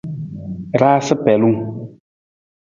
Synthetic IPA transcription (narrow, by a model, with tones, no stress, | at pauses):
ɾaː˦sɨ˦pɛ˨lu˦ŋ